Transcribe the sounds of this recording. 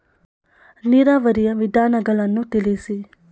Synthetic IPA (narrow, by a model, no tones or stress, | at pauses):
niɾaːʋəɾijɐʋid̪ʱaːnɐɡɐlanːũt̪ilisi